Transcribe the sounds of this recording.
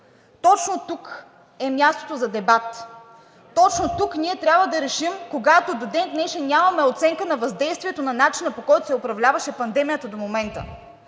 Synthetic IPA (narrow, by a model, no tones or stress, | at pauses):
t̪ɔt͡ʃnot̪uk | ɛmʲjast̪o̥t̪ozɐd̪ɛbat̪ː | ɔt͡ʃnot̪ukniɛt̪ɾʲabvəd̪ɐɾɛʃimkoɡat̪od̪od̪ɛnd̪nɛʃɛnʲamɐmɛot̪sɛŋkənɐvɐzd̪ɛjst̪vʲiɛt̪onɐnat͡ʃinəpokɔjt̪osɛopɾɐvlʲavɐʃɛpɐnd̪ɛmijət̪ɐd̪omomɛnt̪ə̰